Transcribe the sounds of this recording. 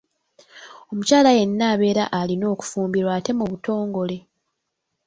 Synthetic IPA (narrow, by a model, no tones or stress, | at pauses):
o̞mucaːlaje̞nːaːβe̞ːɾa̰ʔalino̞ːku̥fuːmbiɾwaːte̞muβuto̞ːŋɡo̞le̞